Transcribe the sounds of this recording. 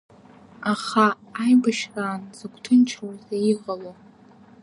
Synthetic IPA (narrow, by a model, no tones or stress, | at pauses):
aχaː | jbaʃraːnzɨɡʷʰtʰɨnt͡ʃʰrozaiʁʼalo